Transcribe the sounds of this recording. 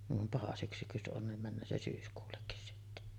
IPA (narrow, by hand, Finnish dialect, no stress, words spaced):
niʋ ʋɑm pɑhɑ syksy jos ʔon nim mænːøː se syːskuːlːekːis sitːe